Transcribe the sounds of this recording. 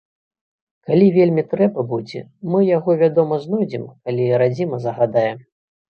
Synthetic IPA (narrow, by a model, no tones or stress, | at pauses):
kalʲivʲelʲmʲit̪ɾɛbɐbud͡zʲɛ̰mɨjaɣɔvʲad̪ɔmɐznɔjd͡zʲimkalʲiɾad͡zʲimɐzɐɣad̪ajɛm